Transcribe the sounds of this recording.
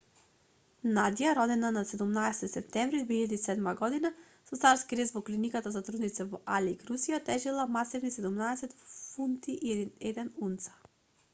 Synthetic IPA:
nad̪ijaɾɔd̪ɛnanasɛd̪umnaɛsɛt̪it̪sɛp̚t̪ɛmvɾid̪vɛiʎad̪isɛd̪maɡɔd̪ina | sɔt̪saɾskiɾɛsvɔklinikat̪azat̪ɾud̪nit̪sɛvɔʔaliɡɾusijat̪ɛʒilˠamasivnisɛd̪umnaɛsɛt̪funt̪iʔiɛd̪inɛd̪ɛnunt̪sḁ

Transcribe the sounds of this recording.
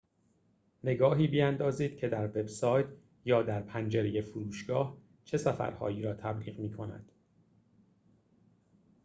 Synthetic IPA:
ne̞ɡɒːɦiːbiænd̪ɒːziːd̪̥cʰe̞d̪æɾve̞bsɒːjt̪ʰ | jɒːd̪æɾpʰænd͡ʒeɾeje̞fuɾuːʃɡ̥ɒːh | t͡ʃʰe̞sæfæ̰ɾhɒ̰ːjiːɾɒːt̪ʰæbliːɣmiːkʰo̞næ̰d̪̥

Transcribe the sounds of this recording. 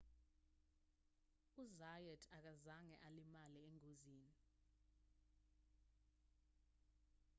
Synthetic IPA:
uzajɛdʰak̬azaŋɛʔalimalieŋoziːni

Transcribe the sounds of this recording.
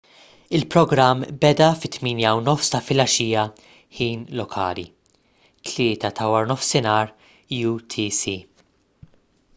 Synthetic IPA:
ɪlpɾɔɡɾɐmːbɛd̪ɐfɪt̪miːnjɐwnɔfst̪ɐfɪlɐʃiːjɐ | ħiːnlɔkʰɐ̰ːlḭ | t̪ʰlɪːt̪ɐt̪ʰɐwɐɾnɔfsɪnɐːɾ | jut̪ʰisi

